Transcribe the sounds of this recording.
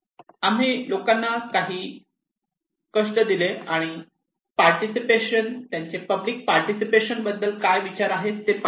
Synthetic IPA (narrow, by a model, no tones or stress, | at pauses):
am̤ilokanːakaɦiː | kəʂʈ̪əd̪ileaɽ̃i | paɾʈisipeɕənt̪jaɲt͡sepəblik̚paɾʈisipeɕənbəd̪ːəlkajʋit͡ɕaɾaɦet̪ːep